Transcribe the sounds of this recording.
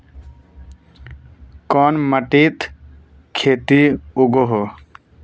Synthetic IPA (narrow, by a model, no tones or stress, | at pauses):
kɔnməʈit̪ | kʰeːt̪iuɡoɦo